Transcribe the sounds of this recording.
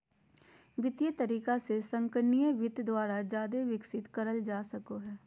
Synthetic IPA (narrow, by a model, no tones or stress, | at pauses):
ʋɪt̪jet̪əɾiːkasesə̃ŋkənijəʋɪt̪d̪waːɾad͡ʒjaːd̪eʋɪksɪt̪kəɾəld͡ʒaːsəkoɦɛː